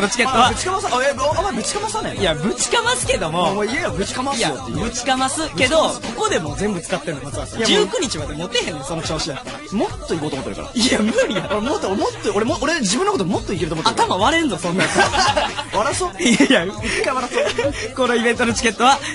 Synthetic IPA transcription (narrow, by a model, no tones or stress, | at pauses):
konot͡ɕi̥keːoβaɯt͡ɕi̥kamasaaoamːaibɯ̟t͡ɕi̥kamasanḛ̃jabɯ̟t͡si̥kamasɨ̥ke̞d̪o̞mo̞moijajabɯ̟t͡si̥kamasjajot̪ːebɯ̟t͡si̥kamasɨke̞d̪o̞ko̞ko̞d̪e̞mo̞d͡zẽ̞mbɯ̟t͡sɨ̥kat̪ːe̞ɾɯ̟omat͡sɨβasjad͡ʑɨːkɯ̟ɲ̟it͡ɕiβad̪emot̪ehẽ̞nːoso̞no̞t͡ɕoːɕid̪at̪ːa | mo̞t̪ːo̞ikoːt̪omt̪ːeɾ̟ka̰ɾa̰iamɯ̟ɾʲiakoɾemot̪ːomot̪ːooɾemooɾed͡ʑibɯ̃nːokot̪omo̞t̪ːoikʲiɾɯ̟omot̪ːat̪amãβaɾẽnzosõ̞nːa | βaɾasoiajakaβaɾaskonoibẽ̞nt̪onot͡ɕi̥ke̞t̪ːo̞βa